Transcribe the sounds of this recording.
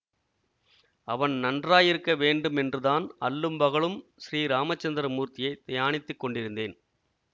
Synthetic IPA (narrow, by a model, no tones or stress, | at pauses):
ɐʋɐnnɐndraːjɪɾɯkːɐʋeːɳɖɯmɛndrɯðaːnɐlːɯmbɐɣɐɭɯmsɪɾiːɾaːmɐt͡ʃːɐnd̪ɪɾɐmuːɾt̪ɪjɐɪt̪ɐjaːɳɪt̪ːɯkːɔɳɖɪɾɯnd̪eːn